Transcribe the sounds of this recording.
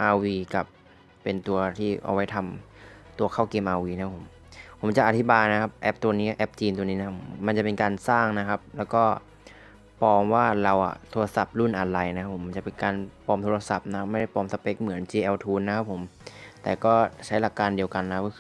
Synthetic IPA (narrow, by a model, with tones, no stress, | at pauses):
ʔaː˧wiː˧ka˨˩pː | e˧nt̪u˧ɐt̪ʰiː˥˩ʔa̰˧wa˦˥jt̪ʰa˧mt̪u˧ɐkʰaː˥˩wkeː˧mʔaː˧wiː˧na˦a˥pʰo˩˦m | pʰo˩˦mt͡ɕa˨˩ʔa˨˩t̪ʰi˦˥baː˧jna˦˥kʰa˦˥p̚ʔɛ˦˥p̚t̪u˧ɐniː˦˥˨ʔɛ˦˥p̚t͡ɕiː˧nt̪u˧ɐniː˦˥na˦a˥pʰoː˩˦a˧nt͡ɕa˨˩pe˧nkaː˧nsaː˥˩ŋna˦˥kʰa˦˥p̚lɛː˦˥wkɔː˥˩ | pɔː˧mwaː˥˩ɾa˧wʔa̰˨˩t̪ʰoː˧la˧sa˨˩p̚lu˥˩nʔa˧lɾa˧jna˥kʰa˦˥pʰo˩˦ma˧nt͡ɕa˨˩pe˧nkaː˧npɔː˧mt̪ʰoː˧la˧sa˨˩p̚na˦kʰa˦˥pma˥˩jda˥˩pɔː˧msa˧pe˦˥k̚mɯ˩˦ənt͡ɕiː˧ʔɛː˧wt̪ʰuː˧nːa˦˥kʰa˦˥pʰːo˩˦mt̪ɛː˨˩kɔː˥˩t͡ɕʰa˦˥jla˨˩kːaː˧ndi˧əwka˧nːa˥kʰa˥p̚kɔ˥˩k